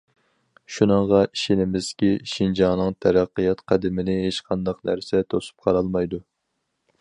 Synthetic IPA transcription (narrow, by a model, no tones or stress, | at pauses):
ʃunɨŋʁɑiʃinɪmɪzkʲiʃind͡ʒɑnɨŋt̪ʰæɾæqːɨjɑt̪qʰæd̪ɪmɪnɪɦet͡ʃqʰɑnd̪ɑqnæ̰ɾsɛt̪ʰosu̥p̚qʰɑɾɑlˠmɑjd̪u